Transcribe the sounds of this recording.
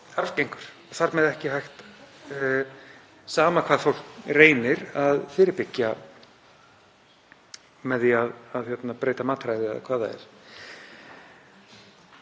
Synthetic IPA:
aɾfcejŋkʏɾ̥ɔθaɾmɛðɛhcɪɦajxt̪ | saːmakʰv̥aːðfowl̥kreːjnɪɾaðfɪːɾɪɾpɪcːa | mɛðiaðaðçjɛt̪napɾeːjt̪amaːt̪ɾajðɪa̰ðkʰv̥aːðaɛ̰ɾ̥

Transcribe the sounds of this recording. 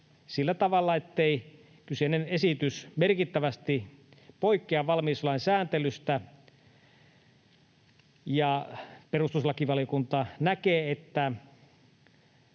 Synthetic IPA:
silːæt̪ɑʋɑlːɑet̪ːei | kyseinenesit̪ysmerkit̪ːæʋæst̪ipoikːˑeɑʋʋɑlmiːsolɑnsæːnt̪elyst̪æ | jɑperust̪uslɑkiʋɑlijokunt̪ɑnækeːet̪ːæ

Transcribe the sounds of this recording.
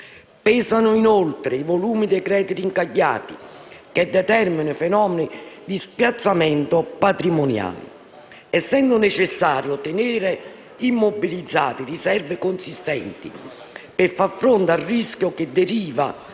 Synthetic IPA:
pɛːsanʊinolt̪ɾeivoluːmid̪ekɾɛːd̪it̪iŋkaʎːa̰ːt̪iked̪ːɛt̪ɛrminʊfɛnɔːmenid̪ispjat̪sːamɛnt̪ʊpat̪ɾimonja̰ːlḭ | ɛsːɛnd̪ʊnet͡ʃɪsːaːɾjot̪eneːɾe | imːobilid̪zːaːt̪irisɛrvekonsist̪ɛ̰nt̪ḭ | pɪɾfaɾfɾont̪arːiskjʊked̪ːeɾiːva̰

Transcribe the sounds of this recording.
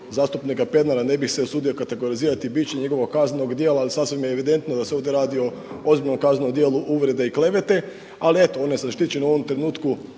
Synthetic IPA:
zaːst̪upnikape̞d̪naɾane̞bixseosuːd̪io̞kat̪e̞ɡo̞ɾiziːɾat̪ibit͡ɕeɲeɡo̞ʋoɡkaznno̞ɡd̪jeːlaːlisasʋimjeːʋid̪e̞nt̪nod̪aseo̞ːvd̪je̞ɾaːd̪io̞ | o̞zbiʎʲno̞mkaznnomd̪jeːlˠuʔuʋɾe̞d̪eikle̞ʋe̞t̪e̞ | alie̞t̪oo̞neseaʃt̪it͡ɕenuo̞ʋo̞mt̪ɾe̞nuːt̪ku

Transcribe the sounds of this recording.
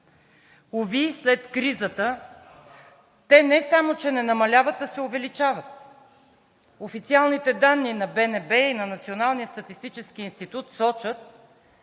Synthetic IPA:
ovislɛt̪kɾizət̪ə | t̪ɛnɛsamot͡ʃɛnɛnɐmɐlʲavət̪̚d̪ɐsɛʊvɛlit͡ʃavət̪ | ofit̪sialˠnit̪ɛd̪anːinɐbɛnɛbɛinɐnɐt̪sionalˠnijəst̪ɐt̪ist̪it͡ʃɛsk̟iinst̪it̪ut̪sɔt͡ʃət̪

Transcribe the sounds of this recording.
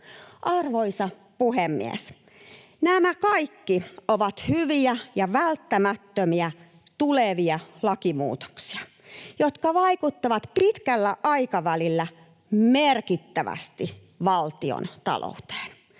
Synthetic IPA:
ʔɑrʋoisɑ | puhemːḭḛs | næmækɑikːioʋɑt̪hyʋiæjɑʋælt̪ːæmæt̪ːømiæ | t̪uleʋiɑlɑkimṵːt̪o̥ksi̥ɑ̥ | jot̪kɑʋɑikut̪ːɑʋɑt̪pit̪kælːæʔɑikɑʋælilːæ | merkit̪ːæʋæ̰st̪i | ʋɑlt̪io̰nt̪ɑ̰lʔo̰ut̪e̥ːn

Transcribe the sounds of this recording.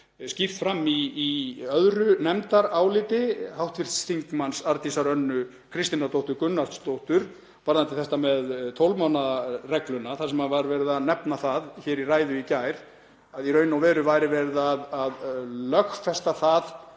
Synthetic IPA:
scift̪fɾamːiːœðɾʏnɛmt̪aɾaːwlɪːt̪ɪhawht̪vɪɾ̥t̪sθiŋkmansaɾt̪isaɾœnːʏ | kʰɾɪst̪inaɾt̪owht̪ʏɾkʏnːaɾ̥t̪st̪owht̪ʏɾ̥ | paɾðant̪ʰɪlθɛst̪amɛðt̪ʰowlmawnarɛklʏnaθaɾsɛmavaɾvɛːɾɪðaðnɛpnaθaðçɛːɾiraːjðʏicaːjɾ̥ | aðiɾœːɥnawvɛːɾʏvajɾɪvɛɾðaðaðlœxfɛst̪aθað

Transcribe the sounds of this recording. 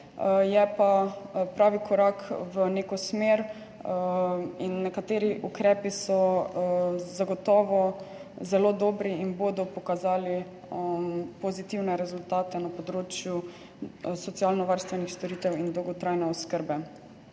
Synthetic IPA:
jɛpapɾaːʋikʰɔɾakʋəneːkɔsmeːɾ | inːɛkat̪eːɾiʔukɾɛːpisɔ | zaɡɔt̪ɔːʋɔ | zɛloːd̪ɔːbɾiinboːd̪ɔpɔkazaːli | pɔzit̪iwnɛɾɛzult̪aːt̪ɛnapɔd̪ɾoːt͡ʃju | sɔt̪sialnɔʋaɾst̪ʋɛnixst̪ɔɾiːt̪ɛwind̪ɔwɡɔt̪ɾajnɛɔskəɾbɛ

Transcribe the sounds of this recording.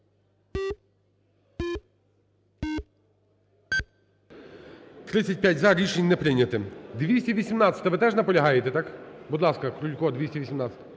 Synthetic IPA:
t̪ɾɪt͡sʲɐt̚ʲpʲjatʲzɐɾʲiʃenʲnɛpɾɪnʲɐt̪ɪd̪ʋʲisʲtʲɐʋʲisʲimnɑt̪t͡sʲɐ̥t̪ɐʋɪt̪ɛʒnɐpɔlʲɐɦɑjet̪ɛt̪ɑkbud̪lˠɑskɐkɾulʲkɔd̪ʋʲisʲtʲɐʋʲisʲimnɑt͡sʲsʲɐt̪ɐ

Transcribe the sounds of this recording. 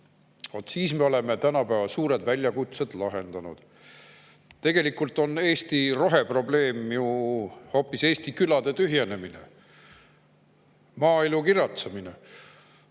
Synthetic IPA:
vot̪siːsme̞o̞le̞me̞t̪ænɑpæːvɑsuːɾed̪vælʲjɑkut̪sed̪lɑɦe̞nd̪ɑnṵd̪̥ | t̪ːe̞ɡ̥e̞likult̪ˑo̞ne̞ːst̪iro̞ɦe̞pro̞ble̞ːmjuho̞ːpːˑise̞ːst̪ikylɑd̪e̞t̪yɦje̞ne̞minḛ | mɑːilukirjɑt̪sɑmine

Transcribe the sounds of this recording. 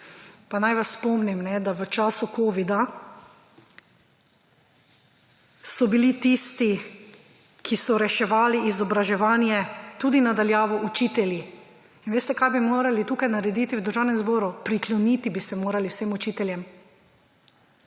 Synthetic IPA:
panajʋasːpɔmnimnɛd̪aʋət͡ʃaːsukoːʋid̪a | sɔbilit̪ist̪i | kʰisɔɾɛʃɛʋaːliʔːzɔbɾaʒɛʋaːnjɛt̪uːd̪inad̪aljaːʋɔʔut͡ʃiːt̪ɛlji | inʋeːst̪ɛkajbimoːɾalit̪uːkajnaɾɛd̪iːt̪iwd̪əɾʒaːwnɛmzboːɾupɾiklɔnit̪ibisɛmoːɾaliwsemut͡ʃiːt̪ɛljɛm

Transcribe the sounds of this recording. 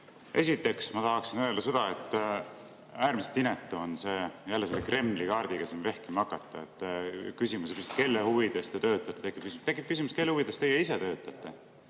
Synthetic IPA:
ʔe̞sit̪ːˑe̞ksmɑt̪ɑɦɑksinø̞ld̪̥ɑse̞d̪̥ɑet̪ːˑ | æːɾmise̥t̪inet̪ːˑuonse̞jælːeselːekre̞mːlikɑːrd̪̥iɡ̥ɑsinve̞hkimɑkːɑt̪ːˑɑet̪ːˑkysimusepjyst̪̚ke̞lːehuvid̪̥est̪et̪ø̞ːt̪ːˑɑt̪ːˑet̪ekːˑip̚kysimt̪ekːˑip̚kysimuske̞lːhuvid̪̥est̪ejeiset̪ø̞ːt̪ːˑɑt̪ːˑe̞

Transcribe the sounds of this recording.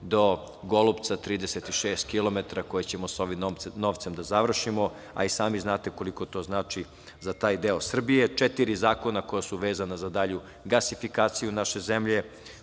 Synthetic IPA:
d̪o̞ | ɡolupt̪sat̪ɾiːd̪eset̪iʃeːst̪kilˠo̞met̪ɾako̞jet͡ɕe̞mosoʋimno̞ːʋt̪se̞md̪azaʋr̩ʃimo̞ | a̰isaːmiznaːt̪e̞ko̞liko̞t̪o̞ːznaːt͡ʃi | zat̪aːjd̪eosr̩bije̞t͡ʃet̪iɾizaːko̞nakojasuʋe̞ːzanazad̪aʎu | ɡasifikaːt̪sijunaʃe̞zemʎe̞

